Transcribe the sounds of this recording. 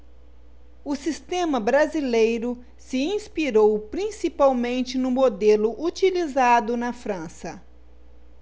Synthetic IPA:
ʊsist̪ẽmɐbɾazilejɾʊ | sɪĩspiɾowpɾĩsipawmẽnt͡ʃɪnʊ̃mod̪elʊʔut͡ʃilizad̪ʊnɐfɾɐ̃sɐ

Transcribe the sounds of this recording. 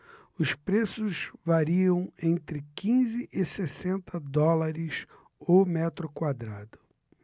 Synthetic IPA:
ʊspɾesʊzvaɾiɐ̃w̃ẽnt̪ɾɪkĩzɪʔɪsesẽnt̪ɐd̪ɔlaɾɪs | omɛt̪ɾʊkwad̪ɾad̪ʊ

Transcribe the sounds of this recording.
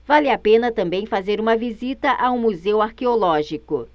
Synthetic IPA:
valɪapẽnɐt̪ɐ̃mbẽj̃fazeɾũmɐvizit̪ɐʔaũmuzewaɾkeolɔʒikʊ

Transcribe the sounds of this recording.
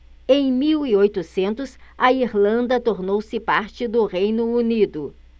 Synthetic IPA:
ẽj̃miwiojt̪ʊsẽnt̪ʊsɐiɾlɐ̃nd̪ɐt̪oɾnowsɪpaɾt͡ʃɪd̪ʊʁejnʊunid̪ʊ

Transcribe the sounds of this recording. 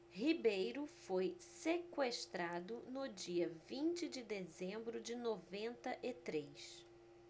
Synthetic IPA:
hibejɾʊfojsekweʃt̪ɾad̪ʊnʊd͡ʒiɐvĩnt͡ʃɪd͡ʒɪd̪ezẽmbɾʊd͡ʒɪnovẽnt̪ɐʔɪt̪ɾejs

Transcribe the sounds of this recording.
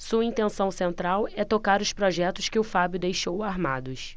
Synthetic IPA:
suɐĩnt̪ẽsɐ̃w̃sẽnt̪ɾawɛt̪okaɾʊspɾɔʒɛt̪ʊskɪʊfabjʊd̪ejʃowaɾmad̪ʊs

